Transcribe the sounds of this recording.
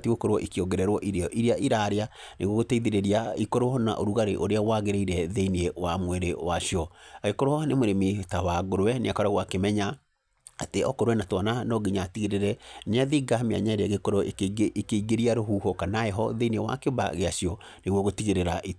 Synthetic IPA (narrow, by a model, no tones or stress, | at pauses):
tiɣokoɾwɔʔikiɔɡɛɾɛɾwɔʔiɾeɔʔiɾeaʔiɾaɾeaneɣwɔɣotɛiðeɾeɾiaikoɾwɔna̰ʔoɾuɣaɾeʔoɾeawaɣeɾeiɾɛðeiniewamweɾewaʃiɔaɣekoɾoɔanemoɾemitawaɣoɾwɛneakɔɾaɣwakemɛɲa | ateɔkoɾwɛnatwananɔɡiɲatiɣeɾeɾɛɲaðiɡamia̰ɲaeɾeaɣekɔɾoʔekːkeiɡeɾiaɾoɦuːhokanaɛɦɔðeiniewa̰keoba̰ɣeaʃiɔ | neɣwɔɣotiɣeɾeɾaʔi